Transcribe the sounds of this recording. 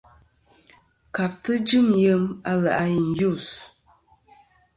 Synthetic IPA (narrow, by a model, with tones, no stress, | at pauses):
ka˨p̚tɨ˦d͡ʒɨ˦˨mjə˦ma˦la˨ʔa˦ji˨n̩˨ju˦˨s